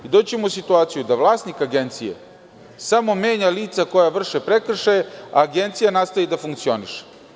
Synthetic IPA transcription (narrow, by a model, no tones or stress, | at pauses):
id̪oːt͡ɕemousit̪uaːt̪sijud̪aʋlˠaːsnikaɡe̞nt̪sijḛ | samo̞meːɲaliːt̪sako̞jaʋr̩ʃepɾekr̩ʃajea̰ːɡent̪sijanast̪ajid̪afuŋkt̪sio̞niʃe̥